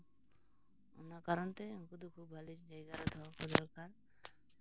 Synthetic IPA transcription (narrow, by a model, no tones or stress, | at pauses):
o̰nakaɾɔnt̪ekud̪ukʰubːalit͡ʃd͡ʒajɡaɾad̪ʰʱɔkɔd̪ɔɾkaɾ